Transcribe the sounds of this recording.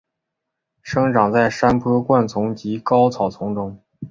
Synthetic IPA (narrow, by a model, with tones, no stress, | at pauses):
ʂɤ˥ŋʈ͡ʂɑ˨˩ŋt͡sa˥˩ɪʂa˥npʰɤ˥kwa˥˩nt͡sʰʊ˧˥ŋt͡ɕi˧˥kɑ˥ʊt͡sʰɑ˨˩ʊt͡sʰʊ˧˥ŋʈ͡ʂʊ˥ŋ